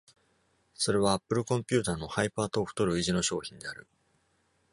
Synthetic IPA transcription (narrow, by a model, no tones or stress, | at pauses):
so̞ɾe̞β̞aːpːɯ̟ɾɯ̟kõ̞mpʲɨ̟ːt̪aːno̞haipaːt̪oːɸɯ̥t̪o̞ɾɯ̟iʑino̞ɕo̞ːçĩnd̪e̞aɾɯ̟